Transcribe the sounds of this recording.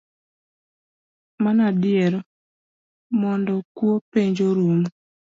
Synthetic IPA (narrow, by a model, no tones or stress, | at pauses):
manadɪɛɾɔ | mɔndɔkwopeɲd͡ʒoɾum